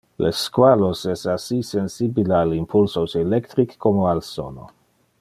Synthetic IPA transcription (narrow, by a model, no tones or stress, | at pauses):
lʔeskwalosɛsasisensibilealimpʰulsoselɛkt̪ɾikʰːomoalso̰no̰